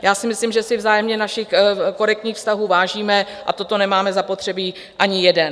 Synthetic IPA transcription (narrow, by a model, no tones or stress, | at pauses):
jaːsɪmɪslimʒɛsɪvzaːjɛmɲɛnaʃɪxko̞ɾɛk̚t̪ɲiːxfst̪aɦuːvaːʒiːmɛ | ʔa̰t̪o̞t̪o̞nɛmaːmɛzapo̞t̪r̥ɛbiː | ʔaɲɪjɛdɛn